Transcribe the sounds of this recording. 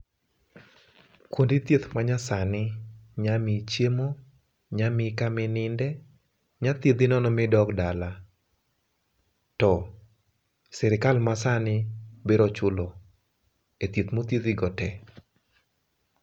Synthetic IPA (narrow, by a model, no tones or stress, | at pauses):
kwondit̪jet̪maɲasanɪɲamit͡ʃjemo | ɲamɪkamɪnɪndɛ | ɲat̪jed̪inɔnɔmɪdɔkdala | tɔ | sɛɾɪkalmasanɪbeɾɔt͡ʃʊlo | et̪jet̪mot̪jed̪iɡɔtɛ